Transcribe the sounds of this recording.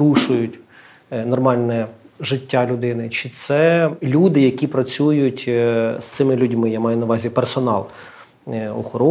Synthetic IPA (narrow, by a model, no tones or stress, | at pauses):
ɾuʃʊjʊtʲ | nɔrmɑlʲnɛʒɪtʲːalʲʊd̪ɪnɪt͡ʃɪt̪sɛlʲud̪ɪjɐkʲipɾɐt͡sʲujʊtʲst̪sɪmɪlʲʊdʲmɪjamɑjʊnɐʋɑzʲipersɔnɑlˠ | ɔ̰xɔɾɔ